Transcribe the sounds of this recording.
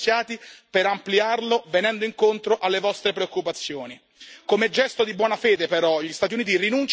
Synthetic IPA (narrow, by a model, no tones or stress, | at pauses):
sjaːt̪ipeɾampliarlovenɛnd̪oiŋkont̪ɾoʔalːevɔst̪ɾepɾeokːupat̪sːjoːni | komed͡ʒɛst̪od̪ibwɔːnafeːd̪epeɾɔʎist̪at̪̬iuniːt̪irinunt͡ʃ